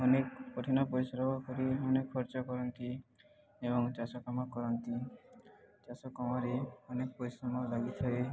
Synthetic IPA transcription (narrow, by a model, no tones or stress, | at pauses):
ɔnekpoʈʰinɔpɔɾisɾɔbɔkɔɾiɔnekʰːɔɾt͡ʃɔkɔɾɔnt̪i | ebɔŋt͡ʃasɔkamakɔɾɔnt̪i | t͡ʃasɔkɔmaɾeɔnek̚pɔɾisɾɔmalaɡit̪ʰaɾe